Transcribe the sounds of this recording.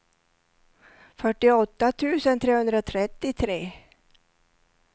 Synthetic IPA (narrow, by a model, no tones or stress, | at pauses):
fœʈːɪɔt̪ːat̪ʰʉ̟ːsənt̪ʰɾeːhɵnd̪ɾat̪ʰɾɛt̪ːɪt̪ʰɾeː